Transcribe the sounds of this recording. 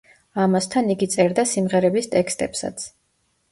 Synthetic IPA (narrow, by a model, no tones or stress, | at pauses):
amast̪ʰaniɡit̪sʼɛɾd̪asimʁɛɾɛbist̪ʼɛkst̪ʼɛpsa̰t̪sʰ